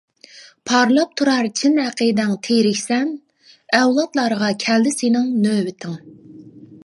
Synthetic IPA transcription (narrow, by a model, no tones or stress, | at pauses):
pʰɑɾlˠɑp̚t̪ʰuɾɑɾt͡ʃʰinhæqʰəd̪ɛŋt̪ʰeɾɪkʲsɛn | ɛwlˠɑt̪lˠɑɾʁɑkʲʰɛld̪ɪsenɪŋnøːwɪt̪ʰɪŋ